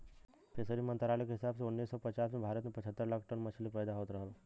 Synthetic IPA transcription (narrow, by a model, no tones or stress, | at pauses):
pʰesəɾimənt̪ɾalikɦɪsabseunːiːsːɔpət͡ʃasmebʱaːɾət̪mepət͡ʃʰət̪ːəɾlaːkʰʈəɳmət͡ʃʰəlipəjd̪aɦoət̪ɾəɦlo